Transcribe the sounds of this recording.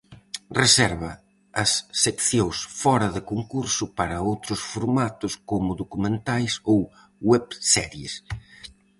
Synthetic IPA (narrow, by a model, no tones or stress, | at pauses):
resɛɾβɐ | ɐsːekθjowsfɔɾɐðɪkoŋkuɾsʊpaɾɐowt̪ɾʊsfoɾmat̪ʊskomʊðokumẽnt̪ajsow | wɛβsɛɾjḛs